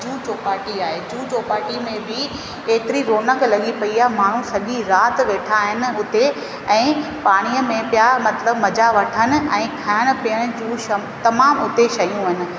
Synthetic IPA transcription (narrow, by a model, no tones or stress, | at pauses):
d͡ʑuːt͡ɕoːpaːʈiaːɦed͡ʑuːt͡ɕoːpaːʈimẽbɪ | eːt̪ɪɾiɾoːnəklɐɠipɐiaːɦemaːɳ̤ũsɐɠiɾaːt̪ʋeːʈʰaɦɪnɪ̆ʊt̪e | ɛ̃ːpaːɽ̃ijəmẽpjamɐt̪ləbmɐd͡ʑaʋɐʈʰənɪ̆ɛ̃ːkʰɐjəɽ̃ʊ̆pijəɽ̃ʊd͡ʑuːʃɐ | t̪ɐmaːmʊt̪eʃɐjũɦɪnɪ̆